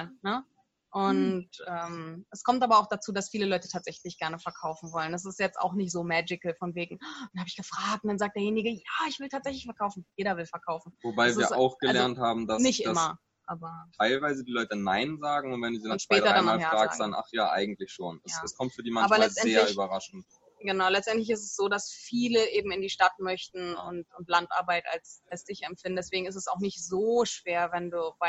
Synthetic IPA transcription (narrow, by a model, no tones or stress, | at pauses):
nə | ʔʊntʔɛːmʔɛskʰɔmtʔaːbɐaʊxd̥at͡suːdasfiːləlɔʏtə̥tʰaːtz̥ɛçlɪçɡ̥ɛɐnəfɛɐkʰaʊfn̩vɔlənas̬ɪstjɛt͡sta̰ʊxnɪçtz̥oːmɛːd͡ʒɪkəl̩fɔnveːɡŋ̩anhaːbɪçɡ̥əfʁ̥aːk̚t̚ʊntdanzaːk̚d̥eɐjeːnɪɡəjaːɪçv̥ɪltʰaːtz̥ɛçlɪçfɛɐkʰaʊfn̩jeːɾɐvɪlfɛɐkʰaʊfn̩vobaɪvsiːɐsa̰ʊxɡ̥əllɛɐnthaːbm̩dasnɪçtʔdɪmɐ | ʔaːbɐtʰaɪlvaɪzədiːlɔʏtənaɪnzaːɡŋ̩ʊntvɛnduːziːdaʊnʃpɛːtɐanaljfaːʁaːksanʔa̰χjaːʔa̰ɪɡŋ̩tlɪçʃoːnɛsaɛskʰɔmtfyːɐdiːmanaːbɐlɛlt͡stʔɛnzeːlɪɐyːbɐʁaʃn̩t | ɡ̥ənaʊlɛt͡stʔɛntlɪçɪstɛsz̥oːdasfiːləʔeːbm̩ɪndiːʃtatmœçtn̩ʊ̰ntʊntlantʔaɐbaɪta̰lsalsd̥ɪçɛmpfɪndn̩dɛsv̥eːɡŋ̩ɪstɛsaʊxnɪçtz̥oːʃv̥eːɐvɛnduːvaɪ